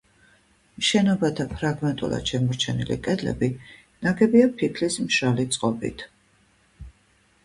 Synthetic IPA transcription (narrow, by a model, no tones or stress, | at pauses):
mʃɛnɔbat̪ʰapʰɾaɡmɛnt̪ʼṵlˠa̰d̪̥ʃɛmɔɾt͡ʃʰɛnḭlḭkʼɛd̪lɛ̰bi | naɡɛbiapʰikʰlismʃalit̪sʼqʼɔbḭt̪ʰ